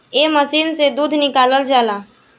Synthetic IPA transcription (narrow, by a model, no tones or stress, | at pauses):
eməsiːnsed̪uːd̪ʱnɪkaːləld͡ʒaːla